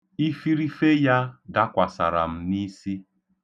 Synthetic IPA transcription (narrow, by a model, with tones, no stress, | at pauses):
i˦fi˦ɾi˦fe˦ja˦da˦kʷa˨sa̰˨ɾa̰˨m̩˦ni˦si˦